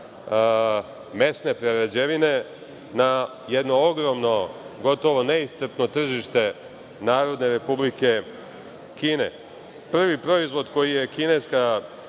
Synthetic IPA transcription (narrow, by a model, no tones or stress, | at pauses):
me̞sne̞pɾeɾed͡ʑeʋine̞ | na | jed̪no̞oɡɾo̞mno̞ɡo̞t̪o̞ʋo̞ne̞ist̪r̩t̪no̞t̪r̩ʒiʃt̪e̞ | naːɾo̞d̪ne̞ɾe̞publike̞ | kiːne̞̰ | pr̩ʋipɾo̞izʋo̞d̪ko̞jije̞kine̞ska